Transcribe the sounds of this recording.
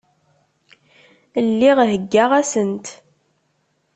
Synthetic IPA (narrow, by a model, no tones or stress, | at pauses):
lːiʁɦəɡːaʁæsənt̪